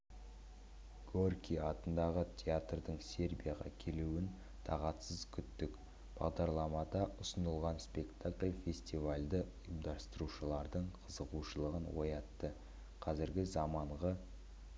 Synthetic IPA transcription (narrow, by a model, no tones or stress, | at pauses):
ɡ̥orkʲiɑt̪ənd̪ɑʁətʲʰeat̪rd̪əɴse̞rbʲijaʁɑ̰kʲʰe̞luwɪn | t̪ʰɑ̰ʁɑt̪səzkʲʰʏt̪ːɪk | b̥ɑ̰ʁd̪ɑɾlˠɑmɑd̪ɑʔʊsənəlˠʁɑnspe̞kt̪aklʲfʲe̞sʲt̪ivalʲd̪əʊjəmd̪ɑst̪əɾuʃəlˠɑɾd̪əɴqʰəzəquʃəlˠəʁənwo̞̰jɑt̪ːə | qʰɑzɪɾɡʲɪzɑmɑɴʁə